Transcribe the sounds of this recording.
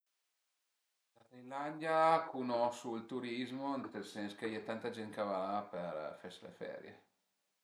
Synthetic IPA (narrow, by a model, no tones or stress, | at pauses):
laɾiland̪jakunɔsuilt̪uɾizmonut̪elsɛnskejɛt̪ːant̪ad͡ʒɛnkavaperfɛslḛfɛ̰ɾjḛ